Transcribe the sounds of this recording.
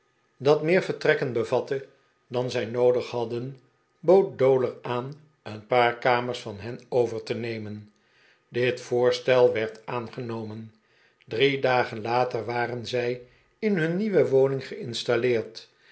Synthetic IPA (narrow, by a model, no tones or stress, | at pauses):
dɑtmɪːɹvəɹtrɛkənbəvɑtə | dɑnzɛjnowdəχɦɑdən | bowt̚dowləɹaːn | ənpaːɹkaːməɹsfɑnɦɛnowvəɹtənejmən | dɪtfʊːɹstɛlˠʋɛɹtaːnχənowmən | dridaːχənlaːtəɹʋaːrənzɛj | ɪnɦɵnːiʋəʋownɪŋχəɪnstalɪːɹt